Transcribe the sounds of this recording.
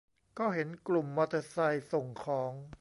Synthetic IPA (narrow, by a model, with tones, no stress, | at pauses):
kɔː˥˩ɦe˩˦nklu˨˩mːa˧˩t̪ʰa˧sa˧jso˨˩ŋkʰɔː˩˦ŋ